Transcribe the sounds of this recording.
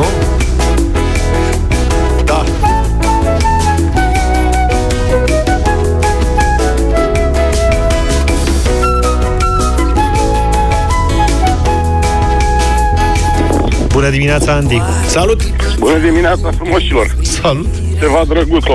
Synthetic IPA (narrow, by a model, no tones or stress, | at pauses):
d̪a | bunəd̪imineat̪saand̪ik | salut̪ | bunəd̪imineat̪safɾumoʃilor | salut̪kɨt̪evad̪ɾəɡut̪